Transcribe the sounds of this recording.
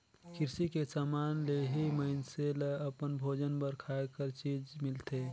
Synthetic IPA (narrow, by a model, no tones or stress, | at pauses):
kʰɪɾsikesaːmanleɦiməɪnseleəpənbʱod͡ʒənbəɾkʰaekəɾt͡ʃid͡ʒmɪlt̪e